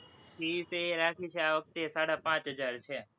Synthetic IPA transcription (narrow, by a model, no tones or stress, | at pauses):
kʰiːseɾaːkʰiːt͡ʃʰeaːʋək̚t̪esaːɽapãːt͡ʃɦəd͡ʒaːɾt͡ʃʰe